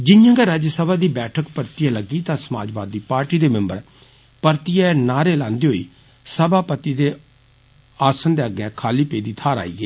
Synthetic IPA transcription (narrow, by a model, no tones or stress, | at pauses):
d͡ʒɪnjãːɡɛːɾaːd͡ʒsəbaːd̪iːbɛːʈʰəkpəɾt̪ijãːləɡiːt̪ãːsəma̰ːd͡ʒbaːd̪ːiːpaːɾʈiːd̪eːmɪmbəɾ | pəɾt̪ɪjaːnaːɾeːlãːnd̪iːɦoːḭː | səbaːpət̪iːd̪eː | aːsənd̪eːəɡɛ̃ːkʰaːliːpeːd̪iːt̪ʰaːɾa̰ːḭːɡeː